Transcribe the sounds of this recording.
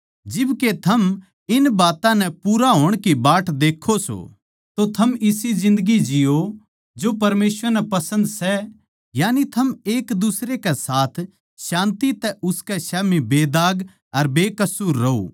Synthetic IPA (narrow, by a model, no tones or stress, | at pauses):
d͡ʒɪbket̪ʰɐm | ɪnbaːt̪ãnɛpuːɾaɦoːɽ̃kibaːʈʰd̪eːkʰːoso̰ | t̪ot̪ʰɐmɪsizɪ̃nd̪əɡid͡ʒɪjo | d͡ʒopɐɾmeːsʋəɾnɛpɐsə̃nd̪sɛ | jaːnit̪ʰɐmeːkd̪ʊsɾekɛsaːt̪ʰ | ʃãːnt̪it̪ɛʔʊskɛʃɛːmibeːd̪aːɡ | ɐɾbeːkɐsuːɾːɐo̰